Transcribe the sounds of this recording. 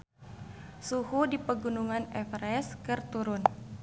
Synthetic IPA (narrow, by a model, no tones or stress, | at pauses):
suhudipəɡunuŋanɛfrɛskɨrt̪uɾʊn